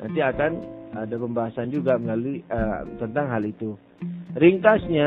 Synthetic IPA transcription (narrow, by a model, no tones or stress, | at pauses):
nʔa̰nt̪iakanadapəmbaɦasand͡ʒuɡaməlaluət̪ənt̪aŋɦalit̪u | ɾiŋk̪asɲa